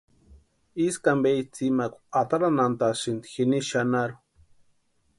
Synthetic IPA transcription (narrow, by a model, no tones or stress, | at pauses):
iskambejt͡simakʷat̪aɾanant̪asind̪ixiniʃanaɾu̥